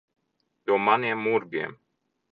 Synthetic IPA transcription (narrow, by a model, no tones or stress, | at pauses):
j̪uɔmaniɛmːuɾɡʲiɛm